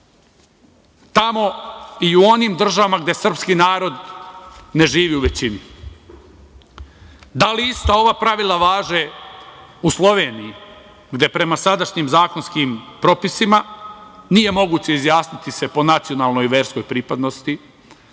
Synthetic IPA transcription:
t̪amo̞iuo̞nimd̪r̩ʒaʋamaɡd̪e̞sr̩pskiːnaːɾo̞d̪ | ne̞ʒiːʋiːuʋe̞t͡ɕini | d̪aliist̪oo̞ʋapɾaʋilˠaʋaːʒe | uslˠo̞ʋe̞ːniji | ɡd̪e̞pɾe̞masad̪aʃɲiːmzaːko̞nskiːmpɾo̞pisimanije̞mo̞ɡuːt͡ɕe̞izjaːsnit̪ise̞po̞nat̪sio̞naːlˠno̞jʋe̞ːɾsko̞jpɾipad̪no̞st̪i

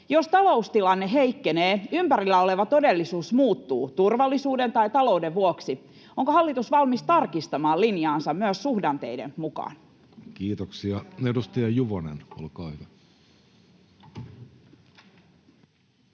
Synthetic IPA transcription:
jost̪ɑlo̞ust̪ilɑnːeɦeikːeneːympæɾilːæo̞le̞ʋɑt̪o̞delːisuːsmuːt̪ːṵːt̪urʋɑlːisuːde̞nt̪ɑjt̪ɑlo̞udeʋʋuoksi | oŋkoɦɑlːit̪usʋɑlmist̪ɑrkist̪ɑmɑːlinjɑːnsɑmmyøsːuhdɑnt̪e̞̰idḛnmukɑ̰ːn | kiːt̪oksiɑedust̪ɑjɑjuʋonḛno̰lkɑːhyʋæ

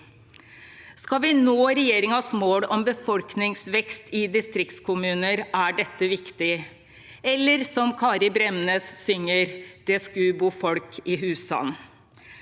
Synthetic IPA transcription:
skɑʋɪnoːɾɛjeːɾɪŋɑsmoːɽɔmbəfɔlknɪŋsʋɛkst̪ɪd̪ɪst̪ɾɪk̚t̪skʰʊmʉːnəɾʔæɖɛt̪ːəʋɪkt̪ɪ | ɛlːəɾsɔmkʰɑːɾɪbɾɛmneːsːʏŋːəɾd̪̥ɛskʉːbuːfɔlkʰɪɦʉːsɑ̰n

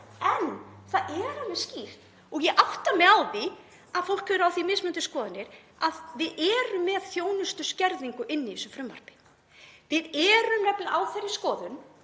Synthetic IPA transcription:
ɛnθaðʔɛɾamɛsciːr̥t̪ | ɔɣjɛʔawht̪amɛawði | aðfowl̥khʏɾawθimɪsmʏnt̪ʏskɔːðanːɪɾ | aðvɪðɛːɾʏmːɛðθjoːwnʏst̪ʏscɛɾðiŋkʏʔɪnːɪɪsʏmfɾʏmva̰r̥pɪ̥ | vɪðɛːɾʏmnɛplɪʔawθejrːɪ̥skɔːðʏn

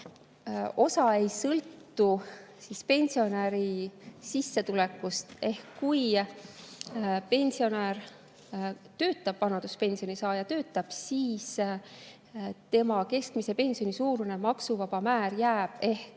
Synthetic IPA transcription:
o̞sɑe̞jsɤlt̪ːusispe̞nʲsio̞neɾisisːe̞t̪ule̞kːˑust̪e̞hkːuj | pe̞nʲsio̞neːr | t̪ø̞ːt̪ːˑɑb̥vɑnɑd̪̥uspe̞nsijo̞nisɑːjɑt̪ø̞ːt̪ːˑɑb̥siːs | t̪e̞mɑke̞st̪mise̞pe̞nʲsio̞nisuːɾune̞mɑksuvɑb̥ɑmæːɾjæːb̥e̞hk

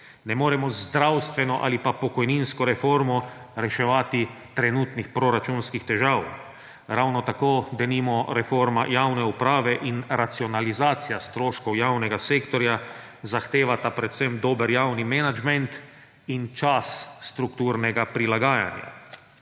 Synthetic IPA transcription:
nɛmoːɾɛmɔzd̪ɾawst̪ʋɛnɔʔa̰lipapɔkɔjninskɔɾɛfoːɾmɔɾɛʃɛʋaːt̪it̪ɾɛnut̪nixpɾoɾat͡ʃunskixt̪ɛʒaːw | ɾawnɔt̪akoːd̪ɛnimɔɾɛfoɾma̰jaːwnɛupɾaːʋɛʔinɾat̪siɔnalizaːt̪sijast̪ɾoːʃkɔwjaːwnɛɡaseːkt̪ɔɾja | zaxt̪eːʋat̪apɾɛt̪semd̪oːbəɾjaːwnimɛnad͡ʒmɛnt̪ | int͡ʃasːt̪ɾukt̪uːɾnɛɡapɾilaɡaːja̰nja̰

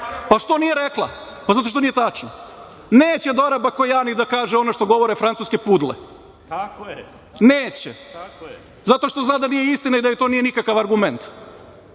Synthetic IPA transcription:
paʃt̪o̞nijeɾeklˠa̰ | pazat̪oʃt̪onijet̪at͡ʃno | neːt͡ɕed̪oɾabakojanid̪akaːʒeonoʃt̪o̞ɡo̞ʋo̞ɾefɾansuːske̞pud̪lḛ | neːt͡ɕɛ̰ | zat̪o̞ʃt̪o̞znaːd̪anijeist̪inaid̪ajojt̪onijenikakaʋaɾɡument̪

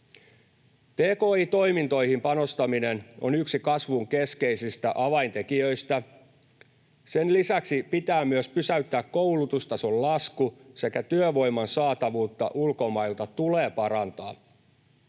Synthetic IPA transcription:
t̪eːko̞ːiːt̪o̞jmint̪o̞jhimpɑno̞st̪ɑmine̞no̞̰nyksikɑsʋuŋke̞ske̞jsist̪æʔɑʋɑint̪e̞kiøjst̪æ | se̞nlisæksipit̪æːmyøspysæyt̪ːæːkkːo̞wlut̪ust̪ɑsollɑskuse̞kæt̪yøʋo̞jmɑnsɑːt̪ɑʋuːt̪ːɑ̰ʔulko̞mɑilt̪ɑt̪uleːpɑɾɑnt̪ɑː

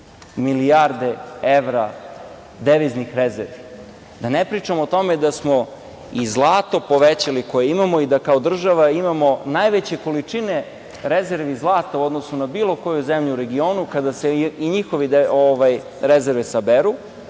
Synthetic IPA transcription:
miliaɾd̪e̞eʋɾa | d̪eʋiznixɾezeɾʋi | d̪anepɾit͡ʂamoːt̪o̞med̪asmo̞ | izlˠaːt̪o̞po̞ʋet͡ɕaliko̞jeimamo̞id̪akaod̪r̩ʒaʋaimamo̞najʋet͡ɕe̞kolit͡ʂine̞ | ɾezeɾʋizlˠaːt̪auo̞d̪nosnunabiːlo̞ko̞juzemʎuuɾe̞ɡio̞ːnukad̪aseiɲixo̞ʋioʋaj | ɾezeɾʋesabeɾu

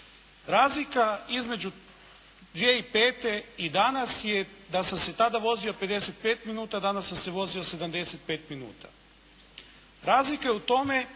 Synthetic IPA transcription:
ɾaːzlikaizme̞d͡ʒu | d̪ʋjeipe̞ːt̪e̞id̪anasje | d̪asamse̞t̪ad̪aʋo̞zio̞pe̞d̪ese̞t̪̚pe̞ːt̪minuːt̪ad̪anasːamse̞ʋo̞zio̞se̞d̪amd̪e̞se̞t̪̚pe̞ːt̪minṵːt̪a̰ | ɾaːzlikajeut̪o̞me̞

